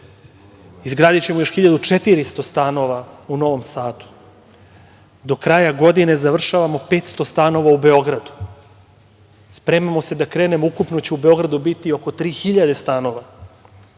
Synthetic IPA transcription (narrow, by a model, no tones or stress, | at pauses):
izɡɾaːd̪it͡ɕemojo̞ʃxiʎad̪ut͡ʃet̪iɾist̪o̞st̪ano̞ʋauno̞ʋo̞msaːd̪u̥ | d̪o̞kɾajaɡo̞d̪ine̞zaʋr̩ʃaʋamo̞pe̞ːt̪st̪o̞st̪ano̞ʋaube̞o̞ɡɾad̪u̥ | spɾe̞mamo̞se̞d̪akɾeːne̞moukupnot͡ɕeube̞o̞ɡɾad̪ubit̪io̞ko̞t̪ɾiːxiʎad̪e̞st̪ano̞ʋa